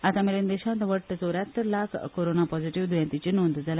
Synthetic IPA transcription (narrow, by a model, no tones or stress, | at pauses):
at̪ameɾend̪eɕãnt̪ʋəʈːt͡soɾjat̪ːəɾlakʰkoɾonapɔd͡ziʈiʋd̪ujãnt̪it͡ɕinond̪d͡zala